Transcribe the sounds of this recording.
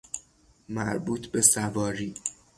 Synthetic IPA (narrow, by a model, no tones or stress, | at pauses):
mæɾbuːt̪ʰbe̞sævɒːɾiː